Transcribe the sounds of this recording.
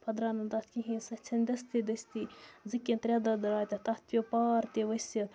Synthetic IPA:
pʰɐd̪ɾaːnɐnd̪ɐt̪ʰkiɦĩsɐt͡ʃʰɐnʲd̪ʲɐst̪id̪ɐsʲt̪izɨkʲːẽnt̪ɾʲjad̪ɐd̪ɐɾaːt̪ʲɐt̪ɐt̪ʰʲopaːɾt̪eʋɐsɐ

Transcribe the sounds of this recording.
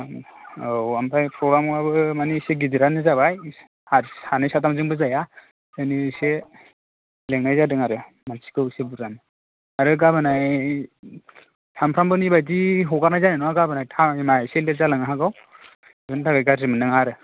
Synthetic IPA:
owampʰajpʰɾɔɡɾamabɯmaniseɡidiɾanɯzabaj | aanɯjsatamzɯŋbɯzaja | ɯnise | leŋnajzadɯŋaɾɯ | mansi̥kɯwsebuɾanɯ | aɾɯɡabɯnaj | tʰampʰɾambɯnibajdiɦɔɡaɾnajzanɯnɔwaɡabɯnajtʰaimajseleɾzalaŋaɦaɡaw | bɯntʰaɡajɡazimɯnɯŋaɾɯ

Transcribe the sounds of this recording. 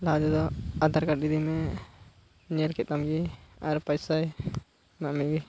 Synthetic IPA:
lad͡ʒɔd̪ɔad̪aɾkaɾdid̪imɛ | ɲɛlkɛt̪̚t̪amɡiaɾpajsaj | maʔmiɡi

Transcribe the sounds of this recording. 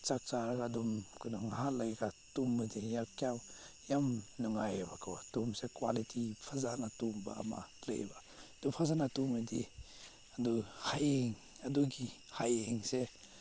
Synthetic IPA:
t͡ʃak̚t͡ʃaɾaɡadumkadɔŋhalajɡatumːɯdijakjaw | jamnuŋajbakʰawatumsekwa̰litʰipʰazanatumba̰ːma̰lḛj̰ba | d̥upʰazanatumɯdi | aduhajeŋ | aduɡi | hajeŋse

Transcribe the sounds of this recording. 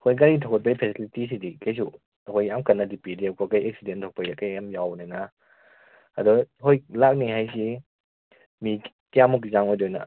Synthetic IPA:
kʰojk̬aɾitʰɔkɔt̚pajpʰesilitis̬idikajs̬u | ɐkʰojːamkanːadipidiawkɔkajek̚sidentʰɔk̚pajakajamjawnajna | adɔɦojlak̚niɦajs̬i | mi | kiamuk̬izaŋɔjdɔjna̰

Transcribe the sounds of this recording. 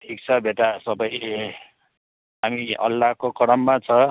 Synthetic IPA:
ʈʰik̚t͡sʰʌbʱeʈasʌbʌj | ɦamiʌ̰lːakokʌɽʌmːat͡sʰʌ

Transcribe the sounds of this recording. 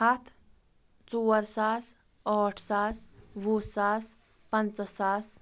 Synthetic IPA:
hat̪ʰ | t͡suːəɾsaːs | ɔʈʰsaːsʋusaːs | pənt͡ssas

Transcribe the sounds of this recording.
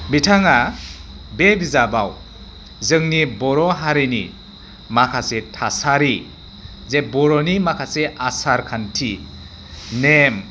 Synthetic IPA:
bitʰaŋa | bebizabaw | zɯŋnibɔɾɔɦaɾenḭ | makʰasetʰasaɾi | zebɔɾɔnimakʰaseʔasaɾkʰantʰi | nem

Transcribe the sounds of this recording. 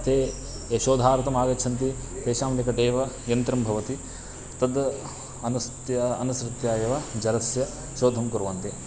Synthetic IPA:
ɐt̪ʰeː | ʃoːd̪ʱaːɾt̪ɐmaːɡɐtːt͡ʃʰɐnt̪̬i | t̪eːʃaːmɐt̪ikɐʈeːʋɐ | jɐnt̪ɾɐmbʱɐʋɐt̪i | t̪ɐd̪ | ɐnɐt̪jɐɐnɐsɾɨt̪jaːjɐʋɐd͡ʒɐɾɐsjɐ | ʃoːd̪ʱɐmkuɾʋɐnt̪e

